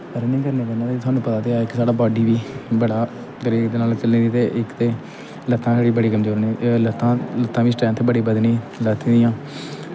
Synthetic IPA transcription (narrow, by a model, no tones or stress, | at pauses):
əɾnĩːkəɾnĩːkəɾnãːt̪eeːt̪ʰʊaːnũːpət̪aːt̪eːaɪksaːɽaːbɔːɖiːʋiːbəɽaː | kəɾiːd̪eːnaːlt͡ʃəlĩːd̪iːt̪eːʔɪkt̪eː | lət̪ʰːãːsaːɽiːbəɽiːkəmzoːɾniːlət̪ːãːlət̪ʰːãːʋiːsʈaːmt̪ʰeːbəɽiːbəd̪niː | lət̪ʰːĩːd̪ɪjãː